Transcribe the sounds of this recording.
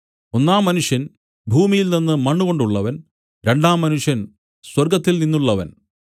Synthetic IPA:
o̞nːaːmːɐnuʂjɐn | bʱuːmijilninːɨmɐɳːuɣo̞ɳɖuɭːɐʋɐn | ɾe̞ɳɖaːmːɐnuʂjɐn | swɐrɡɐt̪ːilninːuɭːɐʋɐ̰n

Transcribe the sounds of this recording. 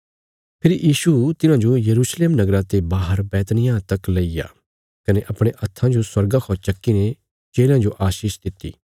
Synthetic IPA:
pʰɪɾijiːʃut̪ɪnãd͡ʒojɐɾuːʃleːmnɐɡɾãt̪ebaːɦəɾbɛːt̪nɪjãt̪ɐklɐija̰ː | kɐneʔɐpɽ̃eʔɐt̪ʰːãd͡ʒoswɐɾɡakʰɔːt͡ʃɐkːine | t͡ʃeːlãd͡ʒoʔaːʃiːʃd̪ɪt̪ːḭː

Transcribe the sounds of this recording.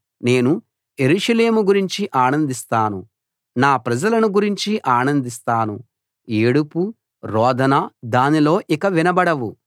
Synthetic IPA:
ne̞ːnu | je̞ɾuʂɐle̞ːmuɡuɾiɲt͡ʃiʔaːnɐnd̪ist̪aːnṵ | naːpɾɐd͡ʒɐlɐnuɡuɾiɲt͡ʃiʔaːnɐnd̪ist̪aːnṵ | eːɽupu | ɾɔːd̪ʱɐnɐd̪aːnilo̞ːʔikɐʋinɐbɐɽɐʋu

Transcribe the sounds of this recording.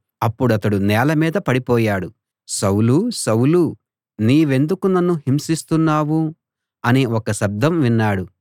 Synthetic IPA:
ɐpːuɽuɐt̪ɐɽunɛːlɐmiːd̪ɐpɐɽipɔːjaːɽu | sɐwlusɐwlu | niːʋe̞nd̪ukunɐnːuɦimsist̪unːaːʋu | ɐniokɐʃɐb̚d̪ʱɐmʋinːaːɽu

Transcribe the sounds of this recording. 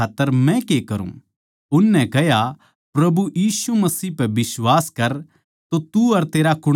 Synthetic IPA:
aːt̪ːəɾmɛ̃kekɐɾṵ̃ː | ʊnːɛ̃kɛɦja | pɾɐbujiːsumɐsiːpɛbɪswaːskɐɾ | t̪ot̪uɐɾt̪eːɾakʊɽ

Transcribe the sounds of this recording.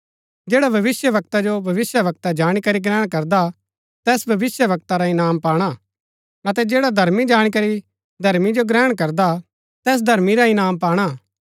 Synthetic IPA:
d͡ʒeːɽabʱɐʋɪsjəʋɐk̚t̪ad͡ʒobʱɐʋɪsjəʋɐk̚t̪ad͡ʒaːɽ̃ikɐɾiɡɾɛːɽ̃kɐɾd̪a | t̪ɛːsbʱɐʋɪsjəʋɐk̚t̪aɾaɪnaːmpaːɽ̃a | ɐt̪ɛd͡ʒeːɽad̪ʱɐɾmid͡ʒaːɽ̃ik̬ɐɾi | d̪ʱɐɾmid͡ʒoɡɾɛːɽ̃kɐɾd̪a | t̪ɛːs̬d̪ʱɐɾmiɾaɪnaːmpaːɽ̃a

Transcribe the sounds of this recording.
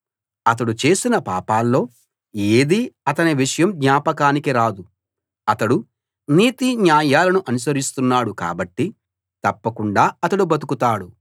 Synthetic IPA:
ɐt̪̬ɐɽut͡ʃe̞ːsinɐpaːpaːlːo̞ː | eːd̪iɐt̪ɐniʋiʂɐjɐmd̪ɲaːpɐkaːnikiɾaːd̪u | ɐt̪ɐɽu | niːt̪iɲaːjaːlɐnuʔɐnus̬ɐɾist̪unːaːɽuka̰ːbɐʈːi | t̪ɐpːɐkuɳɖaːɐt̪ɐɽubɐt̪u̥kut̪aːɽu

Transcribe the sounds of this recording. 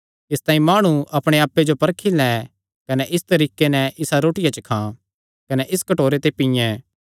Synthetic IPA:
ɪst̪ãːĩmaːɽ̃uʔɐpɽ̃eaːpːed͡ʒopɐɾkʰilɛ | kɐnɛʔɪst̪ɐɾiːkenɛʔɪsaɾoːʈɪjat͡ʃɐkʰã | kɐnɛʔɪskɐʈoːɾet̪epɪ̃jɛ̃ː

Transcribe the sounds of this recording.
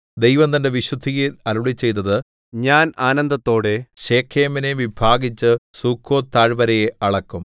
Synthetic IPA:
d̪ejʋɐmt̪ɐnde̞ʋiɕud̪ʱiɣiɾɐɾuɭit͡ɕːe̞jt̪̬ːɐðɨ | ɲaːnaːnɐnd̪ɐt̪ːo̞ːɽe̞ɕe̞ːkʰːeːmineʋibʱaːɡit͡ɕːɨsukʰːo̞ːt̪aːɻbɐɾɐjeɐɭɐkːum

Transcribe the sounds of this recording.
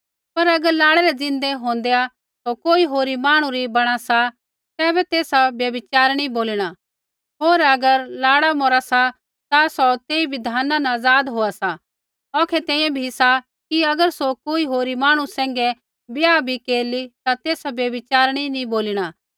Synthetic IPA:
pɐɾɐɡəɾlaːɽɛɾɛd͡zɪ̃nd̪eɦõːnd̪ea | sokoːiɦoːɾimaːɽ̃ũɾibɐɽ̃asa | kɛːbɛt̪eːsabjɐbɪt͡ʃaːɾɽ̃ĩboːliɽ̃a | ɦoːɾɐɡəɾlaːɽamoːɾasa | t̪asɔt̪eːibʱɪd̪ʱaːnanɐːd͡zaːd̪ɦoːasa | ɔːkʰɛt̪ɛ̃ːjãbʱisa | kiɐɡəɾsokoːiɦoːɾimaːɽ̃ũsɛ̃ːŋɡɛ | bɪjabʱikeːɾlit̪at̪eːsabjɐbɪt͡ʃaːɾɽ̃inĩboːliɽ̃aː

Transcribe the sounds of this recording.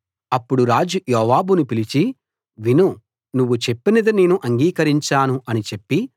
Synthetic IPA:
ɐpːuɽuɾaːd͡ʒujɔːʋaːbunupilit͡ʃi | ʋinu | nuʋːut͡ʃe̞pːinɐd̪ine̞ːnuʔɐŋɡiːkɐɾiɲt͡ʃaːnuɐnit͡ʃe̞pːi

